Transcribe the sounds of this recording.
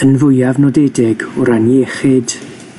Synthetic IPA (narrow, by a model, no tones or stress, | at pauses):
ənvʊjavnɔdɛdɪɡɔɾanɛχɪd̥